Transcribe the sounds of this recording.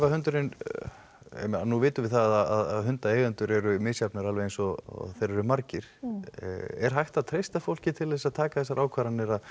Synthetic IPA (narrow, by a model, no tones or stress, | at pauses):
vahʏnt̪ʏɾɪn | ɛ̰manuvɪːt̪ʏmvɪθaðaaðaðɦʏnt̪aeːjɣʏnt̪ʏɾɛɾʏmɪːsjapnaɾalvejɛnsɔθejɾɛɾʏmaɾcɪɾ̥ | ɛ̰ɾ̥ɦajht̪aðt̪ʰɾejst̪afowl̥cɪt̪ʰɪlːesaðt̪ʰaːkaθɛsːaɾʔaːwkʰvaːɾanːɪɾað